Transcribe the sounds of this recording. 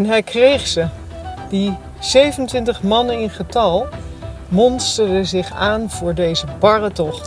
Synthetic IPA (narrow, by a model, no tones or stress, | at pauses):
ɛnɦɛjkrejχsə | di | z̥ejvənəntʋɪntəχmɑnəɪnχətɑlˠ | mɔnstəɹdəzɪχaːnv̥ʊːɹdejzəbɑrətɔχt